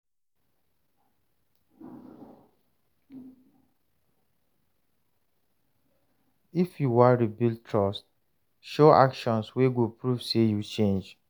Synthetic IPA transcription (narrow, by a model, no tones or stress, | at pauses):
ifjuwaɹibiltʰɹɔst | ʃoa̰kʃɔ̃nsweɡopɹuvsejut͡ʃẽnd͡ʒ